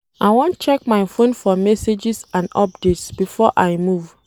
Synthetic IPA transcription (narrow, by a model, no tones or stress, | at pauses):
aɪwɔ̃nt͡ʃɛk̚majfõnfɔmɛsed͡ʒisãndɔ̰p̚detsbifɔʔaɪmuv